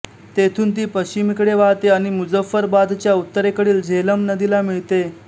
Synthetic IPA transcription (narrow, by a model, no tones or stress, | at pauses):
t̪et̪ʰuːnt̪̬iːpəɕt͡ɕimikɽeʋaɦt̪eaɽ̃imud͡zəfːəɾbad̪t͡ɕjaut̪ːəɾekəɽiːld͡ʑʱeləmnəd̪ilamiɭt̪e